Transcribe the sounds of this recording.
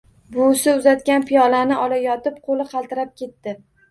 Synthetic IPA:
bʊsɪʊzat̪kʲanpʰijɒlanɪʔɒlajɒt̪ɪpqʰolɪqʰɑlˠt̪ɪɾap̚kʲe̞t̪ːɪ

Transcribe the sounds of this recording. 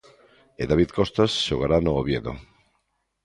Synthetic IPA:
eðaβiðkost̪asʃoɣ̞aɾanooβjeðo̰

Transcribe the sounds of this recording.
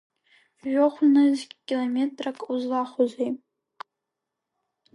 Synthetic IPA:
ʒʷᶣoχʷnazʲkʲilomʲetʼrakʼuzlaχʷozej

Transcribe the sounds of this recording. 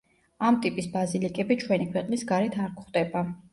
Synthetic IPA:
amt̪ʼipʼisbazilikʼɛbit͡ʃʰwɛnikʰwɛqʼnisɡaɾɛt̪ʰaɾkʰχd̪ɛba

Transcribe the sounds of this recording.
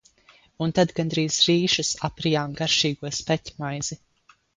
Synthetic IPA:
unt̪ad̪ɡand̪ɾiːzɾiːʃɨsapɾijaːmɡaɾʃiːɡuɔspɛt̪ʲmajzi

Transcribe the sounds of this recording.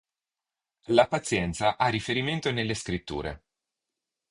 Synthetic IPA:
lapat̪sːjɛnt̪saʔarːifeɾiment̪onelːeskɾit̪ːṵːɾḛ

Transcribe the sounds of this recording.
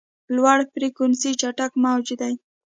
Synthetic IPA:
lwaɽpɾikʊnsit͡ʃaʈakmawd͡ʒud̪aj

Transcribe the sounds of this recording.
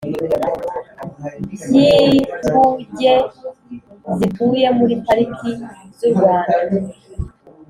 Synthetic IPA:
ɲiuɟe | zituːje̞muɾipaɾikʰizuɾɡwaːnau

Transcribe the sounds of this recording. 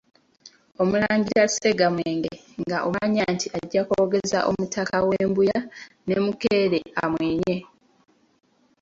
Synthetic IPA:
o̞mulaːɲɟiɾase̞ɡamweːŋɡe | ŋɡaʔoɲantiaɟːakoːɡe̞za̰ʔo̞̰mutakaweːmbuja | ne̞mukeːɾea̰mweːɲe̞

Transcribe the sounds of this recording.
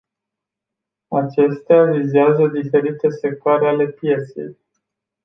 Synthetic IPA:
at͡ʃe̞st̪eavizeazəd̪ife̞ɾit̪e̞se̞k̚t̪oaɾeale̞pje̞t̪se̞̰j

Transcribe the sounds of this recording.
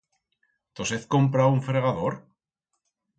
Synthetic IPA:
t̪oseθkompɾauɱfɾe̞ɣaðoɾ

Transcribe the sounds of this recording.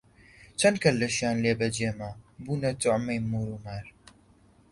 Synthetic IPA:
t͡ʃɐnkɐlːɐʃjaːnleːbɐd͡ʒeːmabuːnɐt̪ʊʕmɐjmuːɾumaːɾ

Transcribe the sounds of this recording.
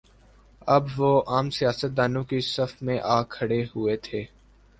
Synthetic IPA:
ɐbʋoːʔaːmsijaːsət̪̚d̪aːnõkisɐfmẽʔaːkʰːɐɽehʊet̪ʰeː

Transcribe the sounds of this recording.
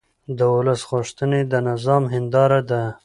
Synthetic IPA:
d̪əwʊləsɣʊʂt̪əned̪ənɪzɑmɦɪnd̪ɑɾad̪a

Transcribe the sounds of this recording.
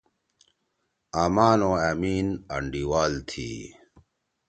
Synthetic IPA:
aːmaːnõːaːmiːnɐ̰ɳɖiwaːlt̪ʰḭː

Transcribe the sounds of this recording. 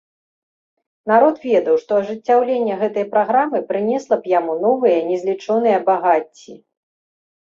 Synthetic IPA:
naɾɔt̪vʲɛd̪ɐwʂt̪ɔɐʐɨt͡sʲːawlʲenʲːɐɣɛt̪ɐjpɾaɣɾamɨpɾɨnʲɛslˠɐpjamunɔvɨjɐnʲɛzʲlʲit͡ʂɔnɨjɐbaɣat͡sʲːi

